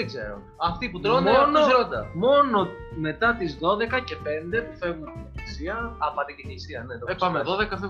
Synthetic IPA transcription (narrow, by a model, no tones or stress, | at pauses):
ðeɡzḛɾo̰ | ɐft̪ipuɾonmonosɾond̪ɐmo̞no̞ | me̞t̪ɐt̪izðo̞ðe̞kɐce̞pe̞nd̪e̞pufe̞ɣunisiɐɐpɐd̪iceçisiɐnet̪oespɐmeðoðekɐfe